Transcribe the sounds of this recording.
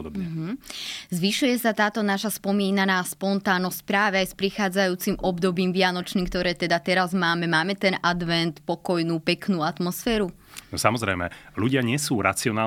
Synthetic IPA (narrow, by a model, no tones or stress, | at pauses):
d̪ɔbɛɦ̩zʋiʃujɛsat̪aːt̪ɔnaʃaspɔmiːnanaːspɔnt̪aːnɔsc̚pɾaːʋɛajspɾixaːd͡zajuːt͡simʔɔbd̪ɔbiːmʋɪanɔt͡ʃniːmk̚t̪ɔɾɛːt̪ɛd̪at̪ɛɾazmaːmɛmaːmɛt̪ɛnʔad̪ʋɛnt̪pɔkɔjnuːpɛknuːat̪mɔsfɛːɾu | nɔsamɔzɾɛjmɛ̰luɟɪaɲɪɛsuːɾa̰t͡siɔnaː